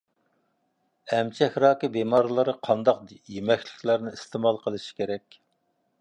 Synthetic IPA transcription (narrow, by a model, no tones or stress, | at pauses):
ɛmt͡ʃʰɛhʲɾɑːkʲɨbemɑːɾɨlˠɨɾɨqʰɑnd̪ɑq̚jemɛkʲlɪ̥kʲlæɾnɪist̪emɑlˠqʰəlˠɨʃi̥kʲeɾɛkʲ